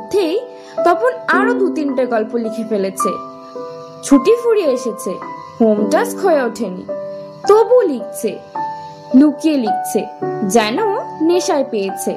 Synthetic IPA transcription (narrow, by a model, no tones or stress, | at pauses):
d̪ʱːej | t̪ɔpʰonaɾod̪ut̪inʈaɡɔlpolikʰefelet͡ɕʰḛ | t͡ɕʰuʈifuɾieeʃet͡ɕʰe | homʈaskʰoeaoʈʰenḭ | t̪obulik̚t͡ɕʰe | lukielik̚t͡ɕʰed͡ʑɛnoneʃaepejet͡ɕʰe